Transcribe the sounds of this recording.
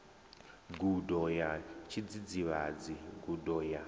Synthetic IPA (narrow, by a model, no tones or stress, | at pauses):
ɡudɔjat͡ʃʰid͡zid͡ziβad͡ziɡudɔja